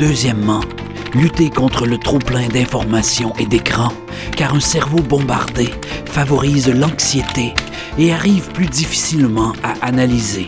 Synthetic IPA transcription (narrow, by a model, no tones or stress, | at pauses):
d̪øzjɛmːɑ̃ | lyt̪ekɔ̃t̪χələt̪χuplɛ̃d̪ɛ̃fɔʁmasjɔ̃ʔed̪ekχɑ̃ | kʲaːʁɛ̃sɛʁvobɔ̃ba̰ʁd̪e | favɔʁiːzlɑ̃ksjet̪e | eaʁivplyd̪ifi̥silmɑ̃aʔanalize